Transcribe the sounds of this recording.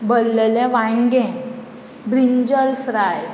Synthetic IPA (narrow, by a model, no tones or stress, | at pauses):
bəlːəlɛ̃ʋãŋɡɛ̃ | bɾiɲd͡ʑəlfɾaj